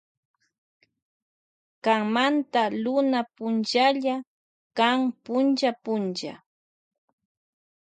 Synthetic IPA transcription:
kaŋmant̪alʊnapʊnt͡ʃaʎa | kaŋpʊnt͡ʃapʊnt͡ʃa̰

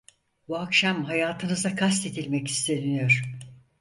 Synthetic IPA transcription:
buakʃamɦajaːt̪ʰɯnɯzd̪akʰast̪e̞d̪ilʲmɛci̥st̪ʰe̞nyjoɾ̥

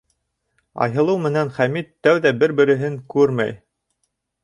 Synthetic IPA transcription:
ɑ̰jɦɤ̆lˠɤwmɘ̆nænχæmit̪ːæwðæbɘɾbɘ̆ɾɘ̆ɦɘŋkʉɾmæ̰j

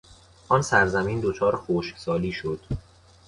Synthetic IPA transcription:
ʔɒːnsæɾzæmiːnd̪ot͡ʃʰɒːɾxoːʃksɒːliːʃod̪̥

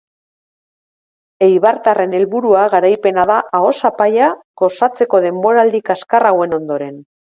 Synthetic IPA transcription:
e̞jβaɾt̪are̞ne̞lβuɾuaɣaɾajpe̞naðaʔao̞sapajako̞sat͡se̞ko̞ð̞e̞mbo̞ɾald̪ikaskarawe̞no̞nd̪o̞ɾe̞n

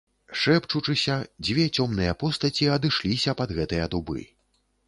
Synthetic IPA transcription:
ʂɛpt͡ʂut͡ʂɨsʲɐd͡zʲvʲɛt͡sʲɔmnɨjɐpɔst̪ɐt͡sʲiɐd̪ɨʂlʲisʲɐpɐd̪ɣɛt̪ɨjɐd̪ubɨ̰

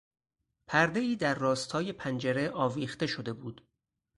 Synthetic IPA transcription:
pʰæɾd̪e̞iːd̪æɾːɒːst̪ʰɒːje̞pʰænd͡ʒeɾeʔɒːviːχt̪e̞ʃod̪e̞buːd̪̥

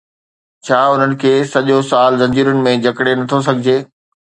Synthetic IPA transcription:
t͡ɕʰaːʊn̤ənɪ̆kʰeːsɐʄosaːlzɐ̃ɲd͡ʑiːɾʊnɪ̆mẽd͡ʑʱɐkɽenɐt̪ʰos̬ɐɡʱɪd͡ʑeː

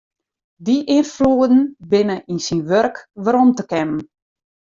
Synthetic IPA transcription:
diʔɪnfluədn̩bɪnəʔinsinʋørkʋəɾɔmtəkɛmn

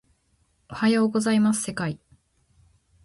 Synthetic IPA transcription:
o̞hajo̞ːɡo̞zaimasɨ̥se̞kai

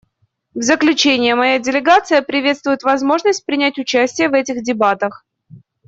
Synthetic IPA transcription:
vzəklʲʉt͡ɕenʲɪjəmɐjadʲɪlʲɪɡat̪sɨjəpɾʲɪvʲe̞t̪st̪vʊjɪt̪vɐzmo̞ʐnəsʲt̚ʲpɾʲɪnʲætʲʊt͡ɕæsʲtʲɪjəvɛtʲɪxdʲɪbat̪əx

